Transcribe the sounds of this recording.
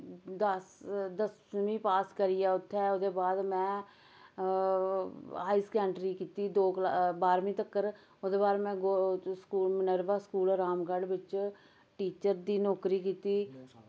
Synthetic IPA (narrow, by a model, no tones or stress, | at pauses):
d̪əsd̪əs | mĩːpaːskəɾiːɛːʊt̪ʰːɛːod̪eːbaːd̪mɛ̃ː | ɦaːiːskɛːɳʈɾiːkiːt̪iːd̪oːklabaːɾmĩːt̪əkːəɾ | od̪eːbaːɾemɛ̃ːɡoskuːlmənəɾʋaːskuːlɾaːmɡəɽbɪt͡ʃ | ʈiːt͡ʃəɾd̪iːnɔːkɾiːkiːt̪iː